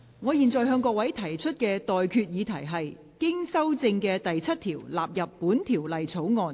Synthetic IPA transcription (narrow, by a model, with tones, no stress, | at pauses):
ŋɔː˨˧jiː˨˩nt͡sɔː˨jɦœː˧ŋkɔː˧kwɐ˨˥jt̪ʰɐ˨˩jt͡ʃʰɵ˥t̚kɛː˧t̪ɔː˨jkʰyː˧t̚jiː˨˧t̪ʰɐ˨˩jɦɐ˨j | kɪ˥ŋsɐ˥wt͡sɪ˧ŋkɛː˧t̪ɐ˨jt͡sʰɐ˥t̚t̪ʰiː˨˩wlaː˨p̚jɐ˨pːuː˨˥nt̪ʰiː˨˩wlɐ˨jt͡sʰo˨˥wŋɔː˧n